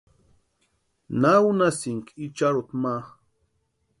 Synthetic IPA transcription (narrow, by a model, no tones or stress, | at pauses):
nawnasiŋkit͡ʃaɾut̪maχ